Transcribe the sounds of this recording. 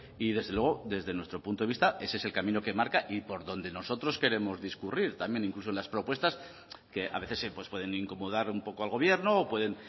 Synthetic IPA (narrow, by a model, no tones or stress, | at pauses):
ið̞e̞zðelweɣo̞ðe̞zðe̞nwet̪ɾo̞punt̪oist̪ae̞seselkamĩnoke̞maɾkaʔipo̞ɾðo̞nd̪e̞no̞so̞t̪ɾo̞ske̞ɾe̞mo̞zðiskuriɾt̪amje̞niŋklusoe̞nlaspɾo̞pwe̞st̪as | ke̞ʔa̰βe̞θe̞sepwe̞spwe̞ðe̞niŋko̞moð̞aɾumpo̞koalɣ̞o̞β̞je̞ɾno̞ːpwe̞ðe̞n